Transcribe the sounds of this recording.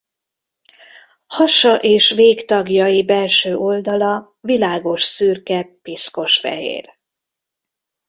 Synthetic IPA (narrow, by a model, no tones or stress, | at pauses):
hɒʃɒʔeːʃveːkt̪ɒɡjɒjibɛlʃøːʔo̞ld̪ɒlɒ | vilaːɡo̞ʃsyrkɛpisko̞ʃfɛ̰ɦḛːr